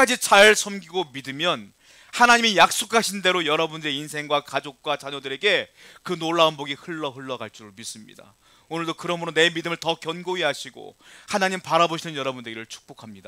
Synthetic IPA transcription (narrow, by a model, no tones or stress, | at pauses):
ad͡ʑit͡ɕaɭsʰʌmɡiɡomidɯmjʌn | hanaɲimijak̚s͈okʰaɕʰinde̞ɾojʌɾʌbundɯɾeinsʰe̞ŋɡwakad͡ʑok̚k͈wat͡ɕaɲʌdɯɾe̞ɡe̞kɯnoɭːaonboɡihɯɭːʌɦɯɭːʌɡaɭt͡ɕ͈iɾomis͈ɯmɲḭda̰ | onɯɭdokɯɾʌmɯɾone̞midɯmɯɭtʌkjʌnɡoiɦaɕʰiɡo̰hanaɲimpaɾaboɕʰinɯnjʌɾʌbundeɡiɾɯɭt͡ɕʰu̥k̚p͈okʰamɲida